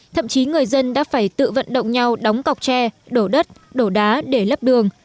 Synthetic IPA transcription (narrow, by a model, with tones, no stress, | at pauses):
t̪ʰə̰˧˨mt͡ɕi˨˦ŋɨ˨˩əjzə˧nɗa̰ː˧˥faː˧˩jt̪ɨ̰˧˨və̰˧˨nɗə̰˧˨wŋ͡mɲa˧wɗa˨˦wŋ͡mka˨˩wk͡p̚t͡ɕɛ˧ɗo˧˩ɗə˦˥t̚ | ɗo˧˩ɗaː˨˦ɗe˧˩lə˦˥p̚ɗɨ˨˩əŋ